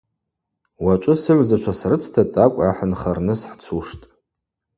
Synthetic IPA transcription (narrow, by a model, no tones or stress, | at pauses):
wat͡ʃʷʼʊsɨʕʷzat͡ʃʷʰasrɨt͡sʰtʰatʼakʷʼa̰ħanχarnɨsħt͡sʰuʂtʼ